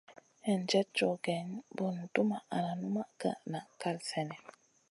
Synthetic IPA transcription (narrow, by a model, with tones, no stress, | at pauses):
ɛ˨n˨d͡ʒɛ˦t̚t͡ʃɔ˨ɡɛ˨ɲbɔ˨n̩˨tu˦ma˨a˨na˨nu˦ma˦ka̰˨ʔna˨ka˦˨lsɛ˨nɛ˨